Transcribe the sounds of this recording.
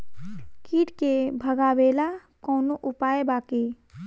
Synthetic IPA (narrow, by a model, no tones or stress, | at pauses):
kiːʈkebʱəɡaːʋeːlakɔːnoʔʊpaːebaːke